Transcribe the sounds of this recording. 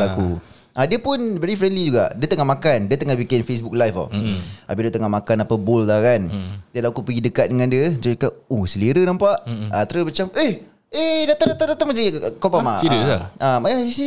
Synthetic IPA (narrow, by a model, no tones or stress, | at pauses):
lakṵ | ʔadiəpʊnbeɾifɾɛndlid͡ʒuɡa̰ʔdiət̪əŋamakandiət̪əŋahbikɪnfes̬buk̚lajfa̰abilət̪əŋamakanapəbʊlt̪akandiəlakupəɡidəkat̪̚dəŋandiəd͡ʒəəkaʔusəliɾənampaʔat̪ɾəbət͡ʃameh | edat̪adat̪adat̪amasaikopamaidəamaaisi